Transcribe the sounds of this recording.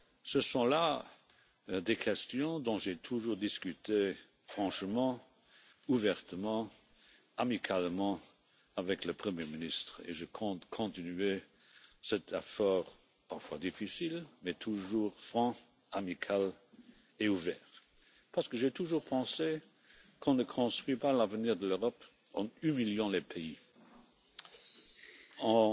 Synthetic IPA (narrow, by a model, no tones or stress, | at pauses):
səsɔ̃la | d̪ekʰɛst̪jɔ̃d̪ɔ̃ʒɛt̪ʰuʒuːʁd̪iskyt̪e | fʁ̥ɑ̃ʃmɑ̃ | uvɛʁt̪əmɑ̃ | amikʰalmɑ̃ | avɛkləpχəmjeminist̪χḛʒəkʰɔ̃kʰɔ̃t̪inyɛ | sɛt̪ʰɛfɔːʁ | paʁfwad̪ifisilmɛt̪ʰuʒuːʁfʁɑ̃ | amikʰal | euvɛːʁ | paʁsə̥kəʒɛt̪ʰuʒuːʁpʰɑ̃se | kʰɔ̃nəkʰɔ̃st̪χɥipalavəniːʁd̪əløʁɔp | ɑ̃ymiljɑ̃lepʰei | ɑ̃